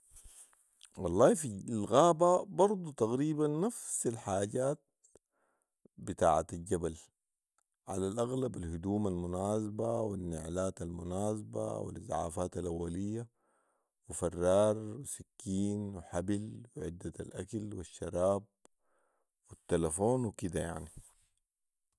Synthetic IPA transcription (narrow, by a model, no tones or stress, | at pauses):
wɑlˤːɑːhfilɣaːbabɑɾˤd̪ˤut̪aɣɾiːbanːafsalħaːɟaːt̪̚ | bɪt̪a̰ːʕat̪alɟabal | ʕa̰lalʔaɣlabalhʊd̪uːmalmʊnaːsabawinːɪʕlaːt̪almʊnaːsaba̰wḭlɪzʕa̰ːfaːt̪alʔawːalijːa | wifɑrˤːɑːɾˤwisakːiːnwɪħabilwɪʕɪd̪ːaalʔakalwiʃːɑɾˤɑːb̚ | wit̪ːalafoːnwikid̪aja̰ʕni